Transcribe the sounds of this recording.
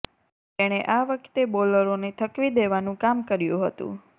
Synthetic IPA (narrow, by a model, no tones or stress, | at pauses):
t̪eɽ̃eʔaʋəkʰt̪eboləɾonet̪ʰəkʋid̪eʋanũkamkəɾjṵ̃ɦət̪ṵ̃